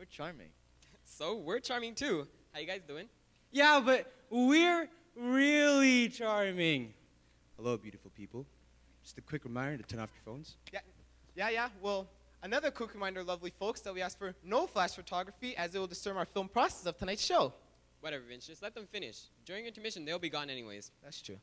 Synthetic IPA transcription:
wɪɹt͡ʃʰɑɹmɪ̰̃ŋ | soʊwɪɹt͡ʃʰɑɹmɪ̃ŋtʰʉ | haʊjɨɡaɪzdʉɪ̃ŋ | jæbʌt̚ | wɪɹ | ɹɪlˠit͡ʃʰɑɹmɪ̃ŋ | həloʊbjʉɾɨfl̩ˠpʰipl̩ˠ | d̥d͡ʒ̥ʌstɨkʰw̥ɪkɹɨmãɪ̃nə̃ŋtɨtʰɛ̃na̰ftə̥˞fõʊ̃nz̥jæ | jæjæwɛlˠ | ənʌðə˞kʰukɹɨmãɪ̃ndə˞lʌvlifoʊksðɨt̚wiæskfə˞noʊflæʃfətʰɑɡɹɨfiʔɨzɨt̚wəl̩ˠdɨstɜ̃˞maʊə˞fɪlˠmpʰɹ̥ɑsɛ̥sʌv̥tʰənaɪtsʃoʊ | wʌɾɛvə˞vɛ̃nsɨslɛt̪̚ðɨ̃ɱfɪ̃nɪ̰ʃd̥ʊɹɪ̃ŋɪ̃ntʰə˞mɪʃɨ̃n̩ðeɪlˠbiɡɔ̃nɛniwḛɪz̥ðætstʰɹ̥ʉ̰

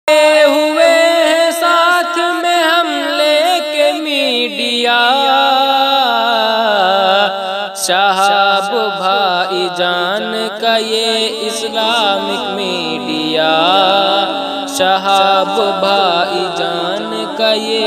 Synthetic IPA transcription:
ɦʊeɦɛ̃saːt̪ʰmẽɦɐm | leːkemiɖɪjaː | ʃaɦaːbbʱaːid͡ʒaːn | kajeɪslaːmɪkmiː | ɖɪjaː | ʃɐɦabbʱaːid͡ʒaː | n | kaje

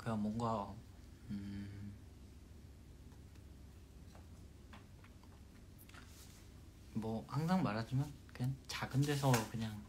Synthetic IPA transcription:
kɯɲaŋmwʌnɡa | ɯ | mwʌhaŋs̬ʰaŋmaɾɦad͡ʑimankɯɲaŋt͡ɕaɡɯndwesʰʌkɯɲaŋ

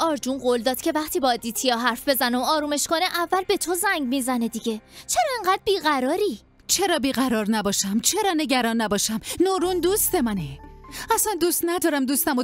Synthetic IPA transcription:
ɒːɾd͡ʒunɢold̪ɒːd̪̥cʰe̞væχt̪ʰiːbɒːd̪iːt̪ʰijɒɦæɾfbe̞zæneoɒːɾuːme̞ʃkoneʔævːælbe̞t̪ʰozæŋɟmiːzæne̞d̪iɟe̞t͡ʃʰe̞ɾɒːeŋɢæd̪̚biːɣæɾɒːɾiː | t͡ʃʰe̞ɾɒːbiːɣæɾɒːɾnæbɒːʃæmt͡ʃʰe̞ɾɒːne̞ɟæɾɒːnːæbɒːʃæmnoːɾund̪ust̪emæne | æsænd̪uːst̪næd̪ɒːɾæmd̪uːst̪æmo

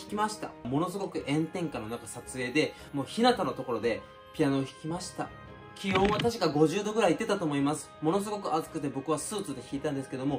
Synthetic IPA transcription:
çi̥kʲimaɕi̥t̪a̰mo̞no̞sɨɡo̞kɯ̟ʔẽ̞nt̪ẽ̞ŋkano̞nakasat͡sɨe̞ːd̪e̞ | mo̞ːçinat̪ano̞t̪o̞ko̞ɾo̞d̪e̞ | pʲianoːçi̥kʲimaɕi̥t̪a̰ | kʲijõ̞ːɰ̃at̪aɕi̥kaɡo̞ʑɨːd̪o̞ɡɯ̟ɾait̪ːet̪at̪o̞ːmo̞imasɨ̥mo̞no̞s̬ɨɡo̞kɯ̟azɨ̥kɯ̟t̪e̞bo̞kɯ̟β̞asɨːt͡sɨd̪e̞çiːt̪ãnd̪e̞sɨ̥ke̞d̪o̞mo̞

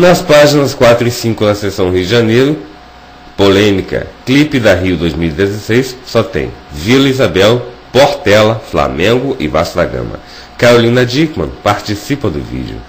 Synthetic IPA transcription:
nɐspaʒinɐskwat̪ɾʊisĩkʊd̪ɐsesɐ̃w̃ɦiʊd͡ʒiʒanejɾʊ | polẽmikɐ̰klipɪd̪ɐɦiʊd̪ojzmiwid̪ezesejsːɔt̪ḛ̃j̃vilɐizabɛw | poɾt̪ɛlɐfla̰mẽɡʊʔɪvasd̪aɡɐ̰̃mɐ̰ | kaɾolĩnɐd͡ʒikmɐ̰̃paɾt͡ʃisipɐd̪ʊ̰vḭd͡ʒiʊ̰

